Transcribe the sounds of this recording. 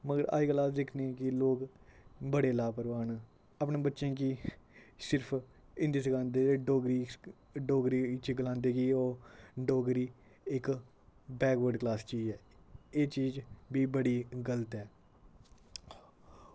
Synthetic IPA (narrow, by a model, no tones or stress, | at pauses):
məɡəɾa̰ːiːklaːsd̪ɪkʰnẽːɛ̃kɪloːk | bəɽeːlaːpəɾʋaːn | apɳẽːbətːʃẽːki | sɪɾpʰ | ɪ̃nd̪eːsəkãːnd̪eːɖoːɡɾiː | ɖoːɡɾiːt͡ʃiɡəlãːnd̪eːkioːɖoːɡɾiː | ɪk | bɛːɡʋəɾɖklaːst͡ʃiːd͡ʒɛː | eːt͡ʃiːd͡ʒbiːbəɽiːɡələt̪ɛː